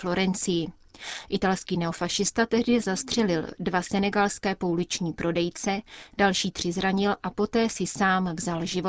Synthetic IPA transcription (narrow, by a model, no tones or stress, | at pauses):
flo̞ɾɛnt͡sɪjɪ | ʔɪt̪alskiːnɛo̞faʃɪst̪at̪ɛɦdɪzast̪r̝̥ɛlɪldvasɛnɛɡalskɛːpoulɪt͡ʃɲiːpɾʔo̞dɛjt͡sɛd̥alʃiːt̪r̝̥ɪzɾaɲɪlʔapo̞t̪ɛːsɪsaːmvzalʒɪvo